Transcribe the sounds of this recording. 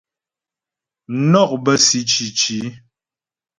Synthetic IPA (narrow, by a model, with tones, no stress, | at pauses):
nɔ˦˨k̚bə˦si˨t͡ʃi˨t͡ʃi˨˦